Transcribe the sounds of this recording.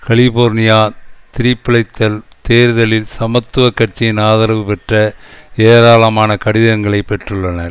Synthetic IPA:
kɐɭɪboːɾnɪjaːt̪ɪɾɪpːɪɭɐɪt̪ːɐlt̪eːɾðɐlɪlsɐmɐt̪ːɯʋɐkːɐʈ̚t͡ʃːɪɪnaːðɐɾɐʋɯpɛʈrɐeːɾaːlɐmaːnɐkɐɽɪðɐŋɡɐɭɐɪpːɛʈrɯɭːɐnɐɾ

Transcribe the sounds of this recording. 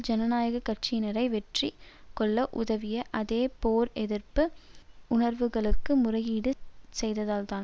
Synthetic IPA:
d͡ʒɐnɐnaːjɐɣɐkːɐrt͡ʃinɐɾɐɪʋɛʈrikɔɭːɐʔʊðɐʋɪjɐʔɐðeːpoːɾɛðɪrpɯʊnɐɾʋɯɣɐɭɯkːɯmʊrɐjiːɽɯsɛjðɐðaːlt̪aːn

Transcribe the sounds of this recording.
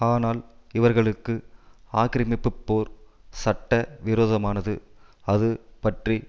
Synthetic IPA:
aːnaːlɪʋɐɾɣɐɭɯkːɯaːkɪɾɪmɪpːɯpːoːɾsɐʈːɐʋɪɾoːðɐmaːnɐðɯɐðɯpɐʈri

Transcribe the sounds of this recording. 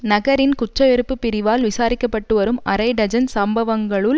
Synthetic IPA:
nɐɣɐɾɪnkʊt͡ʃːɐʋɛɾɯpːɯpːɪɾɪʋaːlʋɪsaːɾɪkːɐpːɐʈːɯʋɐɾɯmʔɐɾɐɪɖɐd͡ʒɐnsɐmbɐʋɐŋɡɐɭɯl

